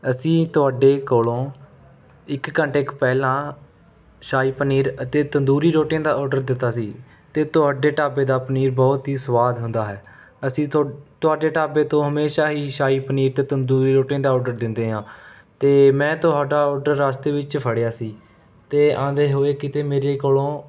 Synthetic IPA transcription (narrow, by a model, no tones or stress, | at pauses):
əsĩːt̪ʊaːɖeːkoːlõː | ɪkːəɳʈɪkpɛːlãː | ʃaːiːpəniːɾət̪eːt̪ənd̪uːɾiːɾoːʈĩjãːd̪aːɔːɾɖəɾd̪ɪt̪ːaːsiː | t̪eːt̪ʊɦaːɖeːʈaːbeːd̪aːpəniːɾbɔːt̪ɦiːsʋaːd̪ɦʊ̃nd̪aːɦɛː | əsĩːt̪ʊaːɖeːʈaːbeːt̪õːɦəmeːʃaːɦiːʃaːiːpəniːɾt̪eːt̪ənd̪uːɾiːɾoːʈĩãːd̪aːɔːɖəɾd̪ɪnd̪eːɦãː | t̪eːmɛ̃ːt̪ʊɦaːɖaːɔːɾɖəɾːaːst̪eːʋɪt͡ʃpʰəɽejaːsiː | t̪eːãːd̪eːɦoːeːkɪt̪eːmeːɾeːkoːlõː